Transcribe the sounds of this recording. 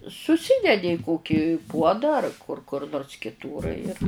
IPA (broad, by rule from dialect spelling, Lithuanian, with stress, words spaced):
sʊˈsʲiːdʲɛdʲɪ ɪ ˈkoːkʲɪ ˈpuɔdɐ ɐr kʊr kʊr noːrs kʲɪˈtuːr ɪr